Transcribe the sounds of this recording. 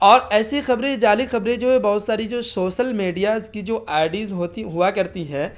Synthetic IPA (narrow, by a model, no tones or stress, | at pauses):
ɔːɾɛːsixɐbɾẽd͡ʒaːlixɐbɾẽd͡ʒoːebɐɦʊt̪saːɾid͡ʒoːsoːʃəlmiːɖijazkid͡ʒoːʔaːɪɖizɦoːt̪iɦʊakɐɾt̪iɦɛ̃ː